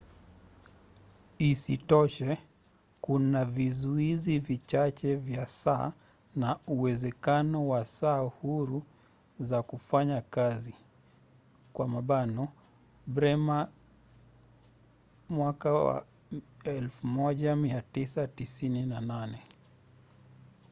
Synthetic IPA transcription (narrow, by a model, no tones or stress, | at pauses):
isitɔʃɛ | kunavizuizivit͡ʃat͡ʃɛvjasaː | nauwɛzɛkanɔwasaːhuɾu | zakufaɲakazi | kwamaɓanɔ | ɓɾɛma | mwakawa̰ | ɛlfumɔʄamiatisatisininananɛ